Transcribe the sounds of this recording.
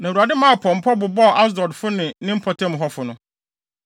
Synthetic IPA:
nã˨u˨a˨dɪ˦mã˦˨pʰɔ̃˨m̩˨pʰɔ˦bʊ˨bɔ˦˨ʔa˦sdɔ˨dfʊ˦nɪ̃˨nɪ̃˦m̩˦pʰɔ˨tʰɛ̃˦m˨ɦɔ˦fʊ˨nʊ̃˦

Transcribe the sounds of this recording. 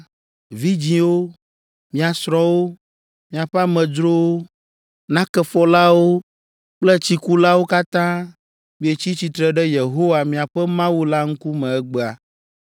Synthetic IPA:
vi˦d͡ʑĩ˨wo˦ | mĩ˦a˨sɾɔ̃˦wo˦ | mĩ˨a˨ɸɛ˦a˦mɛ̃˨d͡ʒɾo˦wo˦ | nã˦kɛ˦fɔ˦la˦wo˦ | k͡plɛ˦t͡ɕi˨ku˦la˦wo˦ka˦t̪ã˦ | mĩ˦e˨t͡ɕi˦t͡ɕi˨t̪ɾɛ˨ɖɛ˦je˨ɦo˦wa˨mĩ˨a˨ɸɛ˦mã˦wu˦la˦ŋ̩˦ku˦mɛ̃˨ɛ˦ɡ͡bɛ˦a˨

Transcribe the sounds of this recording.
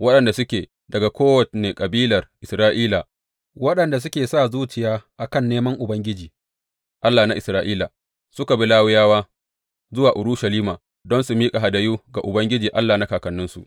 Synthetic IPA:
wɐ˦ɗɐ˨nda˨sʊ˦kʲeː˨ | dɐ˨ɡa˨kʷoː˦wɐ˨tneː˨kʼɐ˨biː˦lɐ˨rʔɪ˨sɾaː˦ʔiː˦laː˨ | wɐ˦ɗɐ˨nda˨s̬ʊ˦kʲeː˨saː˦˨zuː˦t͡ʃɪ˨jaː˦ʔa˨kɐ˦˨nːeː˦mɐ˦ŋʔʊ˨bɐ˦ŋɡʲɪ˦d͡ʒiː˨ | ʔa˦lːaː˨na˦ʔɪ˨sɾaː˦ʔiː˦la˨ | sʊ˦ka˨bi˦laː˦wɪ˦jaː˦waː˦ | zʊ˦waː˨ʔʊ˨ɾu˦ʃɐ˨liː˦maː˨ | dɔ˦nsu˨miː˦kʼa˨ɦa˨dɐ˨juː˦ɡa˨ʔʊ˨bɐ˦ŋɡʲɪ˦d͡ʒiː˨ʔa˦lːaː˨na˦kaː˨kɐ˨nːʊ˦nsṵ˨

